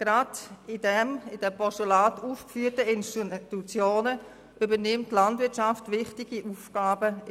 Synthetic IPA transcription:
ɡ̥ɾadɪdɛmɪd̥ɛpɔstulaːtuːfkfyːtəɪnstitut͡sjoːnə | ʔʏbənɪmtːlantvɪɐt͡ʃaftvʋɪχtɪɡ̥iʔuːfɡ̥aːbə

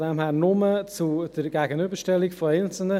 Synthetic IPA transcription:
dɛːmhæːɾnʊmət͡sud̥əɾɡ̥ɛɡənybəʃtɛlikfɔɛɪnt͡sl̩nə

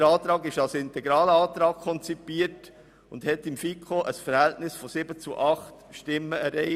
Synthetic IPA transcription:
əɾɑːt̪ɾɑːɡɪʃɑlsɪntɛɡɾɑːləɑːt̪ɾɑːkkʰɔnt͡sipiːəɾt | ʊnd̥hɛt̪ːɪmfikχoʔəsfəɾhɛltnɪsfɔsɪbət͡suʔɑχt | ʃtɪmːəɛɾɛɪ

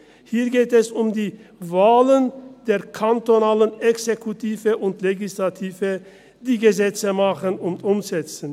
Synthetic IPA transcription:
hiːɐɡeːtɛsʊmdiːvaːlənd̥eːɐkʰantonaːlənɛksekʰutʰiːvəʔʊntleɡislatʰiːvə | d̥iːɡəzɛt͡səmaχənʊntʊmzɛt͡sən̩

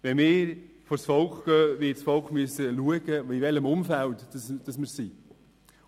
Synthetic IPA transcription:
ʋɛnmɪːɾ | fɔɾsfɔlkχɡ̥œːʋɪːtsfɔlkχmyəsəluəɡ̥əiʋɛləmʊmfælt̪sd̥ɑsmɪɾsi

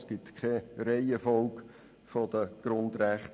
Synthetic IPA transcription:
sɡ̥ɪtkʰχɛɾeɪəfɔlk | fodəɡ̥ɾʊnd̪ræχt

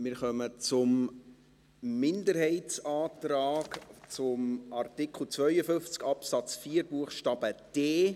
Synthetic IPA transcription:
mɪɾχœmət͡sʊm | ɪndəɾhɛɪtt͡sɑːt̪raːkt͡sʊmɑrtɪkʰl̩ˠt͡svœʏəfʏft͡skɑpsɑt͡sfiːəɾbuəχʃtɑːb̥əd̥eː

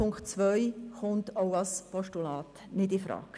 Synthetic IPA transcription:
ʊŋkt͡sʋœjχʊntoʊɑspɔʃtulɑːt | nɪdɪfɾɑ̰ːk

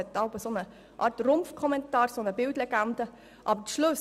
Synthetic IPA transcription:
ɛt̪ːɑʊbəsonə | ʔɑ̰ːrtrʊmfkʰɔmɛnt̪ɑːɾsonəbɪltlɛɡ̥ænd̥̪ə | ʔɑ̰bəʃlʊs

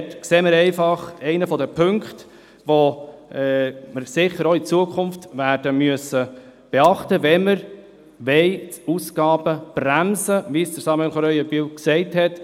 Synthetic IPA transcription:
tkseːməɾɛɪfɑχɛɪnəfɔdəpʰɵŋkt | ʋo | məɾsɪχəɾoit͡suəkʰʊnftʋæːɾd̥əmyəsəb̥ɛɑχtəʋɛməɾ | ʋɛɪtusɡɑːbəb̥ɾæmsəʋisd̥əɾsɑmɛnχɔɾœʏjəbywksɛɪthɛt

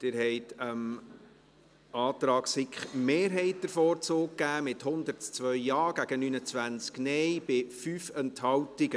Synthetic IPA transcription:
d̥ɪːɾhɛɪtəm | ɑːt̪ɾɑːksɪkχmeːɾɦɛɪt̚d̥̪əɾfɔːɾt͡soːk̚kːæːmɪthʊnd̪əɾtt͡sʋœʏːɑːɡæɡ̥ənyːnət͡sʋænt͡sknɛjb̥ɪfyːfɛnthɑwtɪɡə

